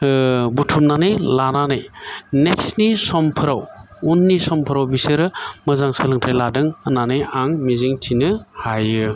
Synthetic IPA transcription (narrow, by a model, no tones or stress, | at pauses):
butʰumnanɯjlananɯjneksnisɔmpʰɯɾawunːisɔmpʰɯɾawbisɯɾɯmɯzaŋsɯlɯŋtʰajladɯŋɯnanɯjaŋmiziŋtʰinɯhajɯ